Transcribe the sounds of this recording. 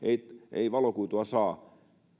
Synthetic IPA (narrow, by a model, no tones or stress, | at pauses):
eiḛiʋɑlokuit̪uɑsɑː